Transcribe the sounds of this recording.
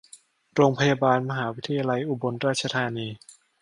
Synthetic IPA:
ɾoː˧ŋpʰa˧jaː˧baː˧nma˧ɦaː˩˦wi˦˥t̪ʰːa˧jaː˧la˧jʔu˧bo˧nɾaː˥˩t̪̚t͡ɕʰa˧t̪ʰaː˧niː˧

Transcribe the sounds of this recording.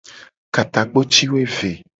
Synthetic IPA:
ka˨t̪a˨k͡po˦t͡ʃi˦wo˦e˦ve˨

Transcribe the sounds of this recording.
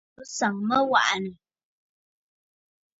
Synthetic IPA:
ə˦sa˨ŋmə˦wa̰˦˨ʔnə˨

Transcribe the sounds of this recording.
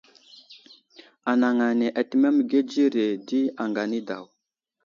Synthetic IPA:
a˨na˨ŋa˨ne˨ʔa˨ti˦me˦m˨ɡe˦d͡ʒi˦ɾe˨di˦a˨ŋɡa˨ni˦da̰˨w

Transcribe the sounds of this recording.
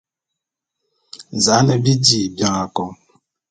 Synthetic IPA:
za˨˦nə˨bi˦di˨bja˨ŋa˨kɔ˨ŋ

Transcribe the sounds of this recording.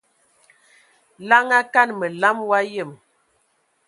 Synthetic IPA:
la˦ŋa˦ka˦˨nmə˨la˦mwa˦jə˦˨m

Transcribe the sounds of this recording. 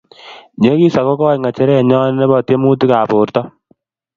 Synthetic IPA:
ɲe˦ki˦sa˨ko˦kɔ˦jŋa˨t͡ʃɛ˦ɾɛ˦˨ɲɔ˦n˦ne˦bɔ˨te˦mu˦ti˦ka˨poː˨ɾtɔ˦

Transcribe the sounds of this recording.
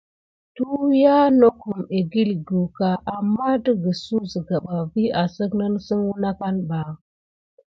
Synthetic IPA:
tu˦ja˦no˦ku˨me˨ɡi˦lɡu˨ka˨ʔa˨mːa˦də˦ɡə˨su˦zə˨ɡa˨ɓa˨vi˦a˨sə˦kna˦n˦sə˦nwu˦na˦ka˦nba˨

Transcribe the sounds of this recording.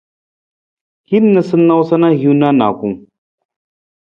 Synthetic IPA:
ki˦nə˨sɨ˦nːa˦wsɐ˦na˦ɦu˦na˦na̰˨ku˦m

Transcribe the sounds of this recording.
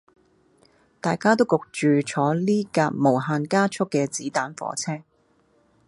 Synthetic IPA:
t̪aː˨˩jkaː˥t̪o˥wkʊ˨k̚t͡ʃyː˨t͡ʃʰɔː˨˥liː˥kaː˧k̚mo˨˩wɦaː˧nkaː˥t͡ʃʰʊ˥kːɛː˧t͡siː˨˥t̪aː˨˥nfɔ̰ː˨˥t͡sʰɛː˥ŋ

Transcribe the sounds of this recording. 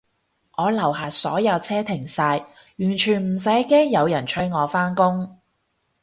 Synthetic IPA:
ŋɔː˨˧lɐ˨˩whaː˨˩sɔː˨˥jɐ˨˧wt͡sʰɛː˥t̪ʰɪ˨˩ŋsaː˧j | jyː˨˩nt͡ʃʰyː˨˩nm̩˨˩sɐ˨˥jkɛː˥ŋjɐ˨˧wjɐ˨˩nt͡ʃʰɵ˧˥jŋɔː˨˧faː˥nkʊ˥ŋ

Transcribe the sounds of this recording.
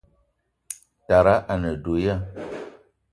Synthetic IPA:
ta˨ɾa˦ʔa˨nə˨do˨ja˦˨

